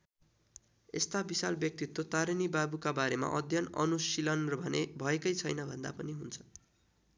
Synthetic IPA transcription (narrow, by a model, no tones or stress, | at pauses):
ḛst̪abisalbjʌk̚t̪it̪ːot̪aɾinibabukabaɾema̰ʔʌd̪ʱjʌnʌ̰nusilʌnrʌbʱʌnebʱʌekʌjt͡sʰʌjnʌbʱʌnd̪a̰pʌniɦunt͡sʰʌ̥